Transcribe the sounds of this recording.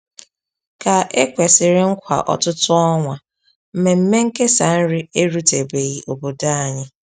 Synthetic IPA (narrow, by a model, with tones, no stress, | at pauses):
ka˨e˦kʷe˨sɪ˨ɾɪ˦ŋ̩˦kʷa̰˨ʔɔ̰˨tʊ˦tʊ˦ɔ˦ŋʷa˨ | m̩˦me˨m̩˦me˦ŋ̩˦ke˦sa˨n̩˦ɾɪ˦e˦ɾu˦te˨be˨ɣi˨ʔo˨bo˨da˦a˨ɲɪ˦